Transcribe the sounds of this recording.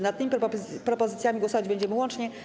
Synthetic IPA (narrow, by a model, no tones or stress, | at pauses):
nat̪t̪ːɘmʲipɾɔpɔzɘt̪sʲjamʲiɡwɔsɔvad͡ʑbɛɲd͡ʑɛmɘwɔnt͡ʂɲɛ